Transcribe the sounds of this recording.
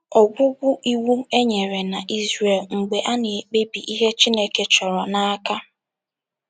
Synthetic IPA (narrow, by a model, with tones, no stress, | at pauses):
ɔ˨ɡʷʊ˦ɡʷʊ˦ʔi˦wu˦e˦ɲe˨ɾe˨na˨ʔi˦zɾe˨lŋ͡m̩˨ɡ͡be˨ʔa˦nɪ˨e˨k͡pe˦bi˨ʔi˦ɦe˦t͡ʃi˦ne˦ke˦t͡ʃɔ˨ɾɔ˨na˨a˦ka˦